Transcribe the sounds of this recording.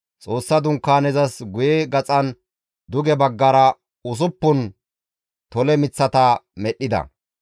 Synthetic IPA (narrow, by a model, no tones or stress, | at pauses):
t͡sʼo̞ːsːɐd̪ʊŋkːaːnɛzɐsɡʊjɛɡɐt͡sʼɐn | d̪ʊɡɛbɐɡːɐɾɐ | ʊs̬ʊpːʊn | t̪ɔlɛmɪt͡sːɐt̪ɐmɛɗːɪd̪ɐ̰